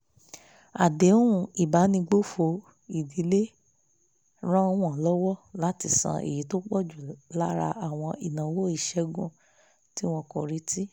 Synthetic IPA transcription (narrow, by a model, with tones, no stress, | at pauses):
a˨de˨˦o˦ũ˦˨i˨ba˨˦nĩ˧ɡ͡bo˦fo˧ | i˨di˨˦le˦ | ɾ̃ã˦w̃ɔ̃˨lɔ˦wɔ˦la˨˦ti˧˦sã̰˧ʔḛ˨ji˨˦to˦k͡pɔ˦˨d͡ʒu˨la˦ɾa̰˧ʔa˨w̃ɔ̃˧i˨nã˨wo˦i˦˨ʃɛ˧ɡũ˦˨ | ti˦w̃ɔ̃˧kɔ˨ɾi˨˧ti˦